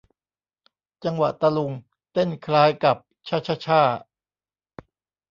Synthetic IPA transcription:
t͡ɕa˧ŋwa˨˩t̪a˧lu˧ŋ | t̪e˥˩nkʰlaː˦˥jka˨˩p̚t͡ɕʰa˦˥˩t͡ɕʰa˥t͡ɕʰaː˥˩

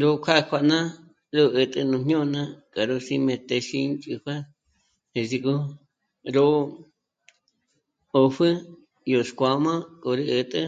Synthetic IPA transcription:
ɾo˦kʰʷa˦˧kʰʷa˧ʔnã˦ | ɾo˦ɨ˧t̪ʼɨ˧nũ˧ɲ̥ɲõ˦˧nã˦kʼa˨ɾo˦si˧mẽ˧t̪e˧ʃi˧˦nt͡ʃʼu˧ɸʷa˦ | e˨si˧ku˦ | ɾo˦ | o˧ɸɨ˦ | jo˨skʷa˧mã˦ko˧ɾɨ˦ʔɨ˧˨t̪ʼɨ˦

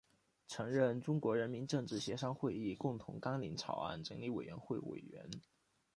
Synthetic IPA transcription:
ʈ͡ʂʰɤ˧˥ŋɻə˥˩nʈ͡ʂʊ˥ŋkwɔ˧˥ɻə˧˥nmi˧˥nʈ͡ʂɤ˥˧ŋʈ͡ʂɻ̩˥˩ɕjɛ˧˥ʂɑ˥ŋxwe˥˧ɪi˥˩kʊ˥˩ŋt̪ʰʊ̰˧˥ŋkɑ˥ŋli˧˥ŋt͡sʰɑ˨˩ʊa̰˥˩nʈ͡ʂɤ˧˥ŋli˧˥we˨˩ɥɛ˧˥nxwe˥˩ɪwḛ˨˩ɪɥɛ̰˧˥n

